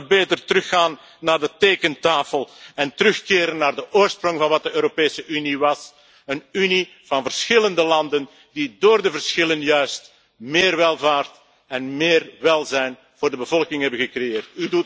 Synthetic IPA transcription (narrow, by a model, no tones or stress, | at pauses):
beːtərtərɵxaːnː | aːrdəteːkəntaːfəlˠɛntəɾɵxkeːɾənːaːrdəʔoːrsprɔŋvɑnʋɑt̚dəøːɾopeːsəʔyniʋɑs | ənyni | v̥ɑnvərsxɪləndəlɑndən | didoːrdəvərsxɪlənjœɥst | meːrʋɛlˠvaːrt | ɛnmeːrʋɛlˠzɛjn | voːrdəbəvɔlˠkɪŋɦɛbənɣəkrejeːrtydu